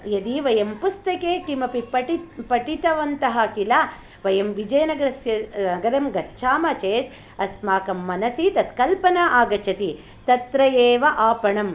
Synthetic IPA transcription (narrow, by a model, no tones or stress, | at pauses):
jɐd̪iʋɐjɐmpust̪ɐkeːkimɐpipɐʈipɐʈit̪ɐʋɐnt̪ɐɦɐkila | ʋɐjɐmʋid͡ʒɐjɐnɐɡɐɾɐsjɐnɐɡɐɾɐmɡɐtːʃʰaːmɐt͡ʃeːt̪ | ɐsmaːkɐmːɐnɐsit̪ɐt̪kɐlpɐnaːʔaːɡɐt͡ʃʰɐt̪i | t̪ɐt̪ɾɐjeːʋɐʔaːpɐɳɐm